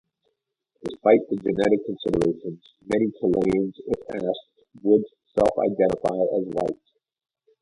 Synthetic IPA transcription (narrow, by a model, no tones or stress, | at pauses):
d̥ɨspaɪt̪̚ðɨd͡ʒɨnɛɾɨkʰn̩sɪɾə˞eɪʃə̃nz̥ | mɛñikʰəlẽɪ̃nzɪfæs | wəd | sɛlˠfa̰ɪdɛ̃ɾ̃əfaɪəzwaɪt̚